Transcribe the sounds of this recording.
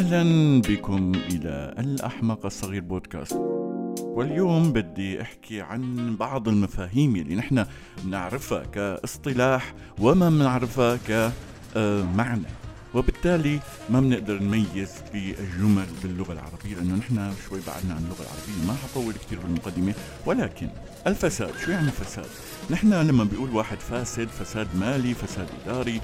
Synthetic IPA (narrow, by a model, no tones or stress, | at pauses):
ʔahlanbɪkʊmʔɪla̰ʔa̰lʔa̰ħmɑqɑsˤːɑɣiːɾboːd̪ka̰ːst̪wɪljoːmbɪd̪ːiʔɪħkiʕa̰nbɑʕd̪ˤɪlmafaːɦiːmjalːinɪħna | mnɪʕɾɪfa̰kaʔɨsˤt̪ˤɨlaːħ | wɪmamnɪʕɾɪfhaka | maʕna | wɪbɪt̪ːaːli | mabnɪʔd̪ɑɾˤnmajːɪz | bɪɪʒʊmalbɪlːʊɣalʕɑ̰ɾˤɑbɪjːalɪʔɪnːʊnɪħnaʃwajːba̰ʕa̰d̪naʕanɪlːʊɣa̰lʕɑ̰ɾˤɑbɪjːamaħɑt̪ˤɑwːɪlk̚t̪iːɾbɪlmʊqɑd̪ːɪme | wɪlaːkɪn | ʔɪlfasaːd̪̥ʃuːjaʕnifasa̰ːd̪ | nɪħnalamːabɪjʔuːlwaːħɪd̪faːsɪd̪fasaːd̪maːlifasaːd̪ʔɪd̪aːɾi